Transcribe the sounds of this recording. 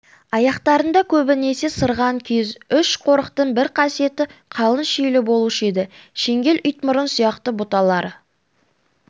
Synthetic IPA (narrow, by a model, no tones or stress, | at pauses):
ɑjɑqt̪ɑɾənd̪ɑkʲʰɵbɪne̞se̞səɾʁɑŋkʲʰezʏʃqʰo̞ɾəqt̪əɴbɪɾqʰɑsije̞t̪ɪqʰɑlˠənʃejlɪbo̞lˠuʃe̞d̪ɪʃe̞ŋɡʲe̞lʔʏjt̪mʊɾənsijɑqt̪əbʊt̪ɑlˠɑɾə